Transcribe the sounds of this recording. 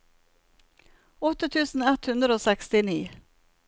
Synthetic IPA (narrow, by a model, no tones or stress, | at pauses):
ɔt̪ːət̪ʰʉːsn̩ɛt̪hʉnd̪ɾəoːsɛkst̪ɪniː